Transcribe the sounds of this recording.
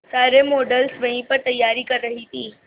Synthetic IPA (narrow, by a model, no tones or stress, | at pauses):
saɾemoɖəlsʋəɦĩpəɾt̪əjːaɾiːkəɾːəɦit̪iː